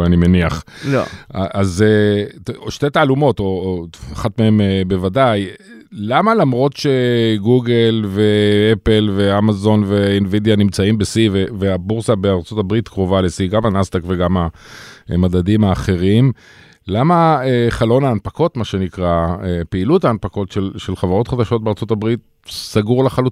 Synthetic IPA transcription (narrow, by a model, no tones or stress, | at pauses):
animeniaχlloʔazeoʃtetaːlumo̞t̪o̞aχatmee̞mbe̞vadaj | lamalamʁo̞t̪ʃe̞ɡuɡe̞lve̞epelve̞amazo̞nve̞invidjanimt͡saimbesiveveabuʁsabeaʁt͡so̞tabʁit̪kʁo̞valesiɡamanast̪akve̞ɡama | madadimaːχe̞ʁim | lamaeχalo̞naːnpako̞tmaʃe̞nikʁaepeilutaːnpako̞tʃelʃelχavaʁo̞t̪χad̪aʃo̞t̚beaʁt͡so̞tabʁit̪̚ | saɡuʁlaχalu